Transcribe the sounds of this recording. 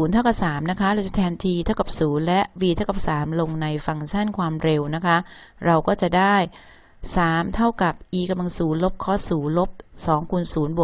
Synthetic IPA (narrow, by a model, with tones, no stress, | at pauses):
uː˩˦nt̪ʰa˥˩wka˨˩saː˩˦mna˦˥kʰa˦˥ɾa˧wt͡ɕa˨˩t̪ʰɛː˧nt̪ʰiː˧t̪ʰa˥˩wka˨˩p̚suː˩˦nlɛ˦˥ʔwiː˧t̪ʰa˥˩wka˨˩p̚saː˩˦mlo˧ŋna˧jfa˧ŋt͡ɕʰa˥˩nkʰwaː˧mɾe˧wna˦˥kʰa˦˥ʔɾa˧wkɔː˥˩t͡ɕa˨˩daː˥˩j | saː˩˦mt̪ʰa˥˩wka˨˩p̚ʔiː˧ka˧mla˧ŋsuː˩˦nlo˦˥p̚kʰɔ˦˥˩suː˩˦nlo˦˥p̚sɔː˩˦ŋkʰuː˧nsuː˩˦nbo˨˩